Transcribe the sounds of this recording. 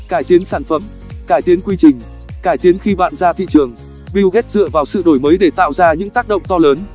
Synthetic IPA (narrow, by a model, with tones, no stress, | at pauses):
kaː˧˩jt̪i˨˦ənsaː˧˩nfə˧˩m | kaː˧˩jt̪i˨˦ənkwi˧t͡ɕï˨˩ŋ̟ | kaː˧˩jt̪i˨˦ənxi˧ɓa̰ː˧˨nzaː˧t̪ʰḭ˧˨t͡ɕɨ˨˩əŋ | ɓi˧wɣɛ˦˥t̚zɨ̰˧˨əvaː˨˩wsɨ̰˧˨ɗo˧˩jməː˨˦jɗe˧˩t̪a̰ː˧˨wzaː˧ɲɨ̰˧˥ŋt̪aː˦˥k̚ɗə̰˧˨ŋ͡mt̪ɔ˧ləː˨˦n